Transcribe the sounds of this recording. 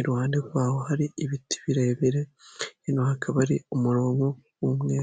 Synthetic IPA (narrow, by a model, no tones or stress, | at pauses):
ɾuhaːndeɾuβaho̞haɾiːβiti̥βiɾeβiɾeinohakʰaβaɾiomuɾo̞ːŋɡo | wumŋeː